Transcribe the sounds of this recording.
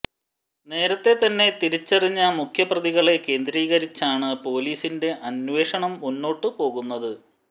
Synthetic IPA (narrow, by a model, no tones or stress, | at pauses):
ne̞ːɾɐt̪ːe̞t̪ɐnːe̞t̪iɾit͡ɕːɐriɲːɐmukʰjɐprɐðiɣɐɭe̞ke̞ːnd̪ɾiːɣɐɾit͡ɕːaːɳɨpo̞ːliːsinde̞ʔɐnʋe̞ːʂɐɳɐmunːo̞ːʈːɨpo̞ːɣunːɐðɨ